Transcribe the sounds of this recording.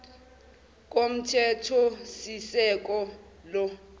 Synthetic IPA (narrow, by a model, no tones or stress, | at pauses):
k̬ʼom̩tʰɛtʰɔsisɛk̬ʼɔ | lɔ